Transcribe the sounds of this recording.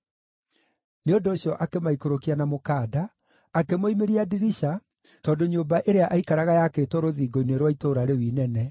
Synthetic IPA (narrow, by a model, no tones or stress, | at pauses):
neondoːɕjɔʔakemaikoɾokianamokaːdaː | kemoimeɾiadiɾiʃa | tɔːdoɲoːmbaʔeɾeaʔaikaɾaɣajakeːtɔɾoðiːɡoinweɾwaitoːɾaɾewiːnɛnɛ